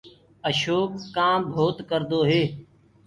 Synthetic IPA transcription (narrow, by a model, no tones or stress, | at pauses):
əʃoːkːãːbʱoːt̪kəɾd̪oːɦeː